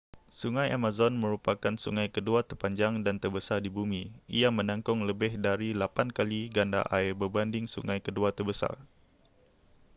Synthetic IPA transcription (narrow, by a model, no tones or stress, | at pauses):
suŋajamazɔnməɾupakansṵŋajkəduat̪ərpaɲd͡ʒaŋdant̪ərbəsardibumiʔiamənãŋkɔŋləbɪhdaɾilapankaliɡanda̰ʔaɪrbəbandɪŋsṵŋajkəduat̪ərbəsa̰r